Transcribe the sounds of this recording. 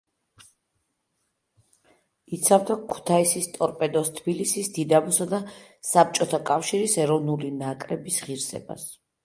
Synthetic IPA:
it̪sʰavd̪akʰu̥t̪ʰaisist̪ʼɔɾpʼɛd̪ɔst̪ʰb̥ilisisd̪̥id̪abɔsad̪asap̚t͡ʃʼɔt̪ʰakʼafʃiɾisɛɾɔvnulinakʼɾɛbisʁiɾsɛ̰ba̰s

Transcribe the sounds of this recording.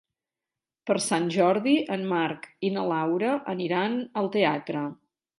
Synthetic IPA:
pəɾsanʲʒɔɾðiʔənmaɾkinəlawɾəʔəniɾanəlˠt̪eat̪ɾə

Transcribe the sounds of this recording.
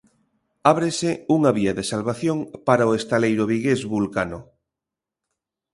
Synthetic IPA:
aβ̞ɾeseuŋaβiaðesalβaθjoŋpaɾaoest̪alejɾoβiɣezβulkano

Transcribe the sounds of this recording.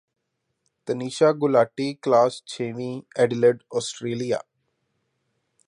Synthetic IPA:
t̪əniːʃaːɡʊlaːʈiklaːst͡ʃʰeːʋĩɛɖɪləɖɔːsʈɾeːlija̰ː

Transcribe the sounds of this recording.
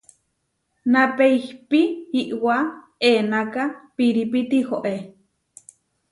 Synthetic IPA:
napeihpiiʔwa | eːnakapiɾipit̪ihoʔe

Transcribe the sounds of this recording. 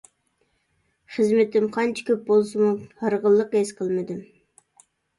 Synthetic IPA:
χəzmɪt̪ɪmqʰɑnt͡ʃʰi̥kʲʰøp̚bolˠsɨmuhɑɾʁəlˠːəqesqʰəlˠmɨd̪ɨm

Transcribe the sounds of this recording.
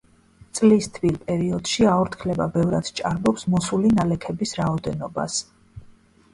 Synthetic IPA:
t̪sʼlist̪ʰvilpʼɛɾiɔd̪̥ʃiaɔɾt̪ʰkʰlɛba̰bɛvɾad̪̥t͡ʃʼaɾbɔpsmɔsulinalɛkʰɛbisɾaɔd̪ɛnɔba̰s

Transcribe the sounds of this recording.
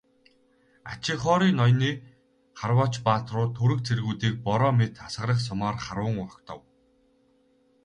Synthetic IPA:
a̰t͡ɕɪ̆χɔːɾiːnɔjniː | χarwɔːt͡ɕpaːt̪rʊːt̪ʰːɵɾɘ̆k̚t͡sʰerɣuːt̪iːk̚pɔɾɔːmet̪asə̆ɾə̆χs̬ʊmaːrχaɾwə̆ŋʊ̆kt̪ʰɔ̰̆w

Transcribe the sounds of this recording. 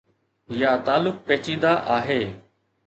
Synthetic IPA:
jaːt̪aːlʊk̚peːt͡ʃĩːnd̪aːʔaːɦeː

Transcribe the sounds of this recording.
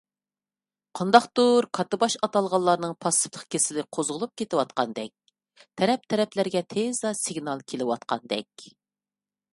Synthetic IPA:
qʰɑnd̪ɑqt̪uɾkʰɑt̪ɨbɑʃɑt̪ɑlˠʁɑlˠːɑɾnɨŋpʰɑsə̥plˠə̥qkʲesɪlɪqʰozʁʊlˠup̚kʲet̪ɪwɑt̪̚qɑnd̪ɛk̚ʲ | t̪ʰɛɾɛp̚t̪ʰɛɾɛplæɾɡʲɛt̪ʰezɑsiɡnɑlˠkʲʰelɪwɑt̪̚qɑ̰nd̪ɛ̰kʲ

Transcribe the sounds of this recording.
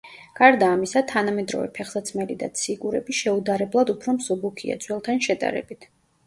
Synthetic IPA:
ɡ̥aɾd̪aːmisat̪ʰanamɛd̪ɾɔ̰vɛ̰pʰɛχsat̪sʰmɛlid̪a̰t̪sʰikʼuɾɛbiʃɛud̪aɾɛblˠad̪upʰɾɔmsɔbukʰia̰t̪sʰʼwɛlˠt̪ʰanʃɛd̪a̰ɾɛ̰bit̪ʰ

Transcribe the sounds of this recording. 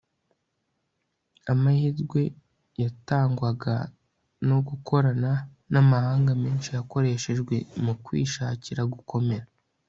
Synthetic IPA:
amahizɡwe̞ | jataːŋɡwaɡa̰ | no̞ɡukʰo̞ɾana | namahaːŋɡameːnʃijako̞ɾe̞ʃe̞ʒɡwe̞mukwḭːʃaːciɾaɡukʰo̞me̞ɾa

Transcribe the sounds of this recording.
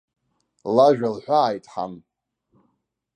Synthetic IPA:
laʒᶣalħʷaːjtʼħa̰m

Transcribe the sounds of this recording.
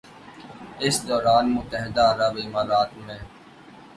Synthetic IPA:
ɪsd̪ɔːɾaːnmʊt̪əɦɪd̪aːɾəbɪmaːɾaːt̪mẽː

